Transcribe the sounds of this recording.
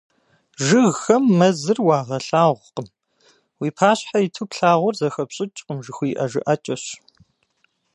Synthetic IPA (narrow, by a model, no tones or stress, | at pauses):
ʒɪɣxɐmːɐzɨrwɑːʁɐɬaːʁʷqəm | wiːpʰaːɕħaitʰupɬaːʁʷʊrzɐxɐpɕʼɪt͡ʃʼqəmʒɪxʷiːʔɐʒɪ̰ʔɐt͡ʃʼɐɕ